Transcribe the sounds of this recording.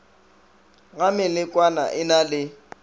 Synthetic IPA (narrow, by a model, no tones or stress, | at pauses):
ɣamɪlɪkʼwana̰ʔɪnalɪ